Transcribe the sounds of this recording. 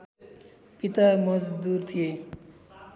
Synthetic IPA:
pit̪amʌzd̪uɾt̪ʰije

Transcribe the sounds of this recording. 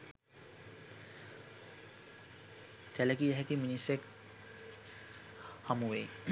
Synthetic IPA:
sɛlekiɦɛkiminisek | hamuwej

